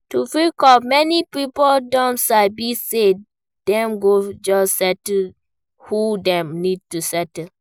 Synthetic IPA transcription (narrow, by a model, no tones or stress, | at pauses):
tufĩkɔmɛnipipoldɔ̃ntsabise | d̥ɛ̃mɡod͡ʒɔssɛt | hudɛ̃mnid̚tusɛt